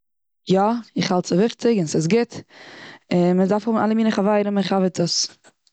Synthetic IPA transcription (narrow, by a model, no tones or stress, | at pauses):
jɔɪχhalˠtsəvɪχt͡sɪɡɪnsɪs̬ɡɪt | ɪnmədafhubna̰lˠəmiːnəχavaɪɾənmɪχavətəs